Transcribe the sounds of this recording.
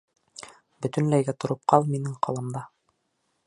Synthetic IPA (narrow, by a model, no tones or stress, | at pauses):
bɵ̆t̪ɵ̆nlæjɡæt̪ŏɾɤ̆p̚qɑlˠminɘŋqʰɑlˠɤ̆md̪ɑ